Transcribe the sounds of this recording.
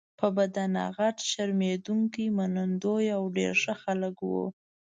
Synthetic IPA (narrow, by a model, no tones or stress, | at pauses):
pəbad̪ana̰ɣaʈʃaɾmed̪uŋkimanand̪ojawɖḛɾʒəxaləkwṵ